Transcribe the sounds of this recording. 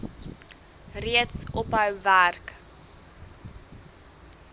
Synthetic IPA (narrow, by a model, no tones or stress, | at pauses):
riətsɔpɦœwværk